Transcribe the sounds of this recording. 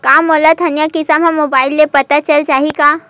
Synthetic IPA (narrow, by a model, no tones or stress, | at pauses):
kaːmoːlat̪ʰɐnjakisamɦãmːoːbaːɪlːepɐt̪at͡ʃɐlt͡ʃaːɦikaː